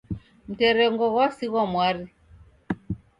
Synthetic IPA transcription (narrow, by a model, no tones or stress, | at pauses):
m̩tɛɾɛŋɡɔɣwasiɣwamwaɾi